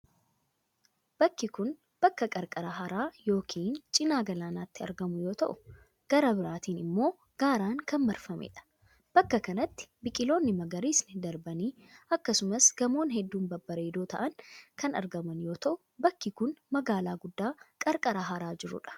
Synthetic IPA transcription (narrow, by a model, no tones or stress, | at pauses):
b̥ɐkːɪkʊn | b̥ɐkːɐkʼɐɾkʼɐɾaɦɐɾaːjo̞ːkʰiːnt͡ʃʼɪnaːɡɐlaːnaːt̪ːɪɐ̰ɾɡɐmʊjo̞ːt̪ɐʔʊ | ɡ̥ɐɾɐbɪɾaːt̪iːnɪmːo̞ː | ɡ̥aːɾaːŋkɐnmɐɾfɐmḛːᶑɐ̥ | b̥ɐkːɐkɐnɐt̪ːɪ̥bɪkʼɪlo̞ːnːɪmɐɡɐɾiːsnɪd̪ɐɾbɐniː | ɐkːɐsʊmɐsɡ̥ɐmo̞ːnɦɛd̪ːuːnbɐbːɐɾeːd̪o̞ːt̪ɐ̰ʔɐnkʰɐnɐ̰ɾɡɐmɐnjo̞ːt̪ɐʔʊ | bɐkːɪkʊnmɐɡaːlaːɡʊd̪ːaːkʼɐɾkʼɐɾaɦɐɾaːd͡ʒɪɾʊ̰ᶑɐ̥